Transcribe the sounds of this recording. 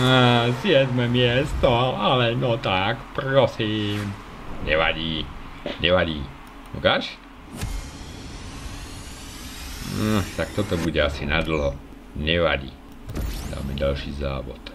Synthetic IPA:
azjɛd̪mɛmɪɛst̪ɔalɛnɔt̪akpɾɔsiːm | ɲɛʋa̰ɟiː | ɲɛʋaɟiː | mukaʃ | t̪akt̪ɔt̪ɔbuɟɛasinad̪l̩ɦɔ | ɲɛʋa̰ɟḭ | st̪a̰miɟalʃiːza̰ːʋɔ̰t̪

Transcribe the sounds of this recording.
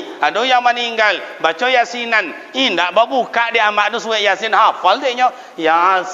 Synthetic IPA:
adojamaniŋɡalbat͡ʃɔjasinan | indabaɓukaʔdiʔamaʔdosuwɛʔjasinhafaldeɲɔ | ja

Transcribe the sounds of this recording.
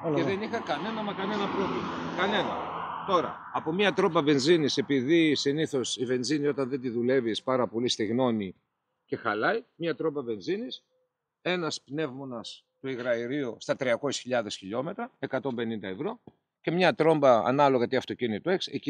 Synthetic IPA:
leðenixɐkɐne̞nɐmɐkɐne̞nɐpɾo̞vlimɐkɐne̞nɐ̰t̪o̞ɾɐ̰ːpo̞mɲɐt̪ɾo̞mbɐve̞nzinise̞piðisiniθo̞sive̞nzinio̞t̪ɐnðe̞nd̪iðule̞vispɐɾɐpo̞list̪iɣno̞ni | ce̞xɐlɐimɲɐt̪ɾo̞mbɐve̞nzinis | e̞nɐspne̞vmo̞nɐs | t̪uiɣɾɐiɾiust̪ɐt̪ɾiɐko̞sisçiʎɐðe̞sçiʎo̞me̞t̪ɾɐe̞kɐt̪o̞mbe̞nind̪ɐe̞vɾo̞ | ce̞mɲɐt̪ɾo̞mbɐɐ̰nɐlo̞ɣɐt̪iɐft̪ocinit̪oe̞ksḛci

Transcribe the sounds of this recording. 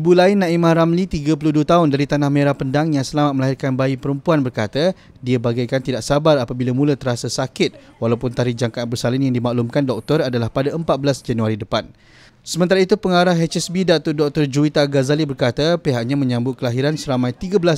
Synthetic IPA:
ibulaɪnːãimahɾamlit̪iɡapəluhduat̪aʊndaɾit̪anahmeɾahpəndaŋjaŋsəlamat̪̚məlaɦirkanbaipəɾəmpuanbərkat̪a | diabaɡajkant̪idaʔsabarapabilamũlat̪əɾasasakɪt̪̚ | walawpʊnt̪aɾihd͡ʒaŋkaan̚bərsalinjaŋdimaʔlumkandɔk̚t̪ɔradalahpadaəmpat̪̚bəlasd͡ʒanuaɾidəpan | səmənt̪aɾait̪upəŋaɾahɛt͡ʃɛsbidat̪ʊrdɔk̚t̪ɔrd͡ʒuit̪aɡazalibərkat̪apeɦaʔɲamə̃ɲãmbʊt̪̚kəlaɦiɾansəɾamãjt̪iɡabəlas

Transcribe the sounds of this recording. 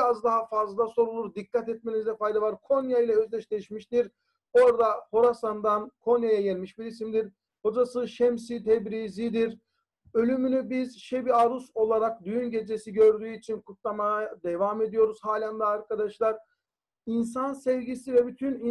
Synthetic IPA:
azd̪aɦafazllˠaso̞ɾulˠuɾd̪ikʰːat̪ɛt̪̚me̞nizd̪ɛfajd̪avaɾkʰo̞njailʲˠɛøzlʲɛʃlʲɛʃmiʃt̪iɾ | o̞ɾd̪aho̞ɾasand̪ankʰo̞njajajenʲmiʃbiɾisimd̪iɾ | ho̞d͡ʒasɯʃɛmsit̪ʰɛbɾizid̪iɾ | ø̞lʲymynybizʃebiaɾuso̞lˠaɾak̚d̪yjynɟe̞d͡ʒesiɟø̞ɾd̪yːyit͡ʃʰinkʰut̪lˠamajad̪evame̞d̪ijo̞ɾuz̥haːlʲand̪aːɾkʰad̪aʃlˠaɾ | insansɛvɟisivɛbyt̪ʰyni

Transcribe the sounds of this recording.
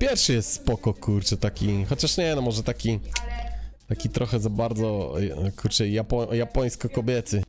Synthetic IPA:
pʲjɛɾʂɘjɛst̪spɔkɔkuɾt͡ʂɛt̪akʲixɔt͡ɕaʂɲɛnɔmɔʐɛt̪akʲi | t̪akʲit̪ɾʔɔxɛzabaɾd̪zɔkuɾt͡ʂɛjapɔjapɔj̃skɔkɔbʲjɛt̪ɘ

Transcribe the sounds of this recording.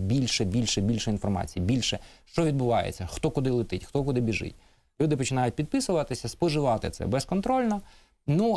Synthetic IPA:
bʲilʲʃɛbʲilʲʃɛbʲilʲʃɛinfɔrmɑ̰t͡sʲijibʲilʲʃɛʃt͡ʃɔʋʲid̪̚bʊʋɑjḛt͡sʲːɐxt̪ɔkʊd̪ɪlˠɪt̪ɪtʲxt̪ɔkʊd̪ɪbʲiʒɪ̰t̚ʲ | lʲud̪ɪpɔt͡ʃɪnɑjʊt̚ʲpʲid̪̚pɪsʊʋɐt̪ɪsʲɐspɔʒɪʋɑt̪ɪ̰t̪sɛ̰bɛskɔnt̪ɾɔlʲnɐ | nu

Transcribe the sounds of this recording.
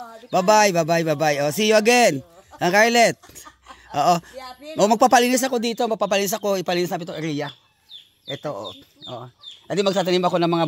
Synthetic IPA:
babajbabajbabajʔosijoɐɡɛn | ɐŋkajlɛt̪̚ʔo̰ːʔomɐmɐɡ̚papɐlinɪs̬ɐko̞d̪iːt̪omɐɡ̚pap̬ɐliːnis̬ɐko̞ɪpɐliːnisnap̬ɪt̪oŋʔɛɾija | ʔɛt̪oʔ | ʔo̰ʔɐd̪ɪmɐɡ̚t̪at̪̬animoɐko̞nɐŋmɐŋa

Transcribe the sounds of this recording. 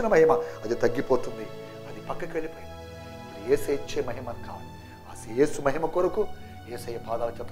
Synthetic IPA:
ɐnɐmɐɦimɐɐd̪it̪ɐɡːipoːt̪und̪i | ɐd̪ipɐkːɐkʋelipoːjiɐ | jeːsɐit͡ʃːeːmɐɦimɐnka̰ːu | asijeːsumɐɦimɐkoɾɐku | eːsɐjɐpaːd̪aːlɐt͡ʃɐt̪ː

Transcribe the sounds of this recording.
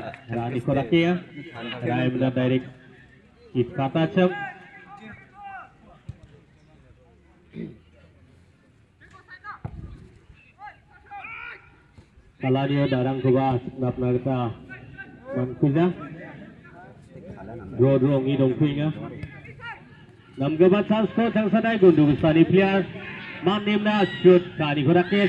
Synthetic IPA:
ɾanikʰɔɾakia | ɾajmnadajɾɛk̚ː | iskʰatat͡ʃəŋ | palaniodaɾaŋkʰɔbanap̚naɡta | maŋkʰuza | ɾɔdɾɔŋidɔŋkʰuiŋa | nɐmɡabatɾanspʰɔt̚zaŋsadajɡunduɡustanipʰlijaɾmanːemnasut̚kanikʰɔɾake

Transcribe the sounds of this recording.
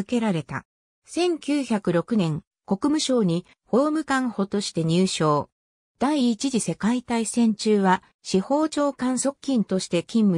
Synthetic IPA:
ke̞ɾaɾe̞t̪a̰ | sẽ̞ŋkʲɨːçakɯ̟ɾo̞kɯ̟nẽ̞ŋ | ko̞kɯ̟mɯ̟ɕo̞ːɲ̟i | ho̞ːmɯ̟kãɰ̃ho̞t̪o̞ɕi̥t̪e̞ɲ̟ɨːɕo̞ː | d̪̥aiːt͡ɕiʑise̞kait̪aisẽ̞ɲ̟t͡ɕɨːβa | ɕiho̞ːt͡ɕo̞ːkãɰ̃so̞kɯ̟̥kʲːĩnt̪o̞ɕi̥t̪e̞kʲĩmːɯ

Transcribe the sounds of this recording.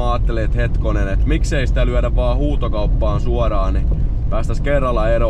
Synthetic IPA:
ɑːt̪ːeleːt̪het̪konenet̪mikseisi̥t̪ælyæɾæʋʋɑːhuːt̪okɑupːɑːnsuɑɾɑːni | pæːst̪æskerːɑlːɑeɾo

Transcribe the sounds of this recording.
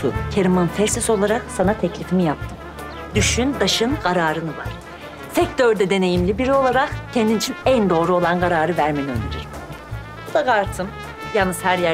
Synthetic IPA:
ṵcʰeɾimanfɛɾsɛso̞lˠaɾaksanat̪ʰɛclʲifimijap̚t̪ʰɯm | d̪yʃynd̪aʃɯnɡaɾaːɾɯnɯva̰ɾ̥ | sɛct̪ʰøɾd̪ɛd̪e̞ne̞jimlʲibiɾio̞lˠaɾakcʰɛnd̪init͡ʃʰinænd̪o̞ːɾuo̞lˠanɡaɾaːɾɯvæɾmeniø̰ndeɾiɾ | bud̪aɡaɾt̪ʰɯm | jalnːɯz̥hæɾjæ

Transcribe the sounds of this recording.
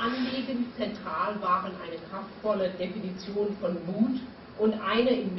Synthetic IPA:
ʔanliːɡənt͡sɛntʁ̥aːlvaːʁənʔa̰ɪnəkʁ̥aftfɔlədefinit͡sjoːnfɔnmuːt | ʔʊntʔaɪnəʔɪmː

